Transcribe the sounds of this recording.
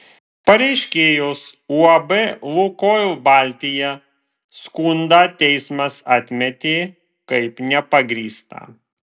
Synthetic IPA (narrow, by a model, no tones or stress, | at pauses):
pɐɾʲɛɪʃʲkʲeːjosuɐbɛlˠukoːjlˠbɑːˑlʲt̪ʲɪjɛ | skund̪ɑːt̪ʲɛɪsmɐsaːt̪ʲmʲɛt̪ʲeː | kɐɪpnʲɛpɐɡɾʲiːst̪ɐ̰ː